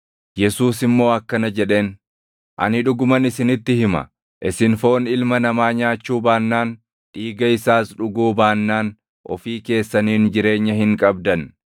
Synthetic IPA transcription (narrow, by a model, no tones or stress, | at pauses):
jɛsuːsɪmːo̞ːɐkːɐnɐd͡ʒɛᶑe̞ːn | ʔɐ̰nɪᶑʊɡʊmɐnɪsɪnɪt̪ːɪhɪmɐ̰ | ʔɪsɪnfo̞ːnɪlmɐnɐmaːɲaːt͡ʃːuːbaːnːaːn | ᶑiːɡɐɪsaːsᶑʊɡuːbaːnːaːn | ʔɔ̰fiːke̞ːsːɐniːnd͡ʒɪɾe̞ːɲːɐɦɪŋkʼɐbd̪ɐn